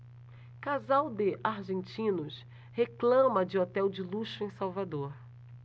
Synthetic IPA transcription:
kazawd̪ɪʔaɾʒẽnt͡ʃĩnʊs | heklɐ̃mɐd͡ʒɪot̪ɛwd͡ʒɪluʃʊẽj̃sawvad̪oɾ

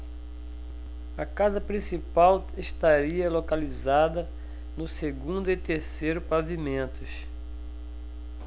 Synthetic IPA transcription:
ɐkazɐpɾĩsipaw | eʃt̪aɾiɐlokalizad̪ɐ | nʊseɡũnd̪ʊɪt̪eɾsejɾʊpavimẽnt̪ʊs

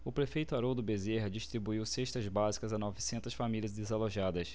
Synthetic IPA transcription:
ʊpɾefejt̪ʊaɾowd̪ʊbezeɦɐd͡ʒiʃt̪ɾibuiwseʃt̪ɐzbazikɐzanɔvisẽnt̪ɐsfamilʲiɐzd̪ezaloʒad̪ɐs

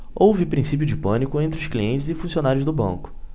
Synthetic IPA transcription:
owvɪpɾĩsip̬jʊd͡ʒɪpɐ̃nikʊẽnt̪ɾɪʊʃkliẽnt͡ʃɪzɪfũsiõnaɾjʊzd̪ʊbɐ̰̃kʊ̥

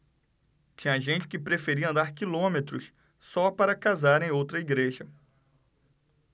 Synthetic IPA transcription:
t͡ʃĩɲɐʒẽnt͡ʃɪ̥kɪpɾefeɾiɐ̃nd̪aɾkilõmet̪ɾʊs | sɔpaɾɐkazaɾẽj̃owt̪ɾɐiɡɾeʒɐ

